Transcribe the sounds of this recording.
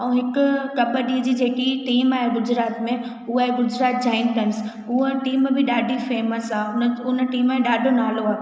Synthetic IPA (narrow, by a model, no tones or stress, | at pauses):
ɛ̃ːɦɪkʊ̆kɐbəɗiːəd͡ʑiːd͡ʑeːkiʈiːmaːɦeɡʊd͡ʑɾaːt̪mẽ | ʊəɡʊd͡ʑɾaːt̪̚d͡ʑaːɪnt̪ɐnɪsɦuəʈiːm̃ːbɪɗaːɖʱifeːməsaːʊnəʊnəʈiːmːẽɗaːɖʱonaːloaːe